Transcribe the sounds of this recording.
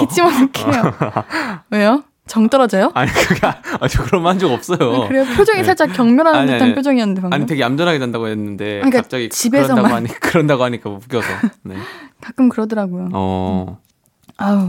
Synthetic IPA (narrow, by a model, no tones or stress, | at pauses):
kit͡ɕʰimʌnuk͈ʰejo | wejo | t͡ɕʌŋt͈ʌɾʌd͡ʑʌjoaɲikɯɡaad͡ʑokɯɾʌmand͡ʑoɡʌp̚s͈ʌjokɯɾe̞jopʰjod͡ʑʌŋiaɭt͡ɕ͈akjʌŋmjʌɾɦandtappʰjod͡ʑʌŋiʌnːɯndeaaɲite̞ɡeamd͡ʑʌnɦaɡeandaɡoɦenːɯnde̞aɲik͈aap̚t͡ɕ͈aɡit͡ɕibesʰʌmaɲikɯɾʌndaɡoɦaɲik͈amukjʌsʰʌne̞̰kak͈ɯmkɯɾʌdʌɾaɡojoʌ | a